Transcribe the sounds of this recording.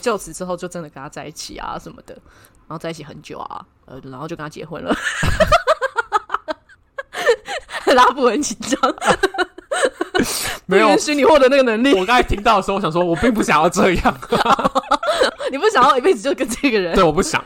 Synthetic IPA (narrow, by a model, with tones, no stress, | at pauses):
t͡ɕjo˥˩t͡s̩ʰ˨˩ʈ͡ʂɻ̩˥xo˥˧ʊt͡ɕjo˥˧ʊʈ͡ʂə˧˥nd̪ə˨˩ka˥˩nʰa˥˧t͡sa˥˧ɪi˥˩t͡ɕʰḭ˨˩a̰˩ʂə˧˦nmə̰˧d̪ə̰˩ | ɻa˨˧˥xʊt͡sa˥˧ɪi˥˩t͡ɕʰi˨˩xə˧˦nt͡ɕjo̰˨˩ʊa̰˩ | ʔə˧˩˨xo˥˧t͡ɕo˥˧˩nʰa˧˩t͡ɕjḛ˧˥xwə̰˧˥nlə̰˨˦ | la˥pu˥˩ə˧˦nt͡ɕʰi˧˥ŋt͡ɕɑ˥˩ŋ | me˧˦jnɕy˥ni˨˩xwɔ˥˩d̪ə˩˦na˥˩ɡə˩nə˧˥ŋli˥˨wɔ˨˩kɑ˥ŋi˨˩t̪ʰi˦˥ŋt̪ɑ˥˩də˨˩˧jɑ˨˩swɔ˥˧wɔ˨˩pi˥˧ŋp̬u˥˩ɕjɑ˨˩ŋjɑ˥˧ʊʈ͡ʂɤ˥˧˦jɑ˥˩ŋ | ni˨˩p̬u˥˩ɕjɑ˨ŋjɑ˥˩˨i˨˩pe˥˩ɪd͡z̩˨˩t͡ɕo˥˧˩kə˦˥nʈ͡ʂɤ˥˩ɡə˨˩ɻə˦wwɔ˨˩pu˥˩ɕjɑ̰˨˦ŋ